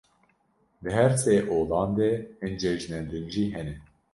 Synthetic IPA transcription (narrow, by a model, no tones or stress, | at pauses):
d̪ɨɦɛɾseːʔoːlɑːnd̪eːɨnd͡ʒɛʒnɛnd̪ɨnʒiːɦɛnɛ